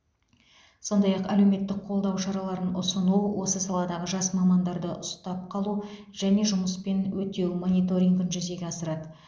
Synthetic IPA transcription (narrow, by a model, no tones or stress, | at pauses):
so̞nd̪ɑjɑqælewme̞t̪ːɪk̚qʰo̞lˠd̪ɑwʃɑɾɑlˠɑɾənʊsənuwwo̞səsɑlˠɑd̪ɑʁəʒɑsmɑmɑnd̪ɑɾd̪əʔʊst̪ɑp̚qʰɑlˠu | ʒ̥æne̞ʒʊməspe̞nwɵt̪e̞wmo̞nijt̪o̞ɾʲiŋɡənʒʏze̞ɡʲeɑsəɾɑd̪ə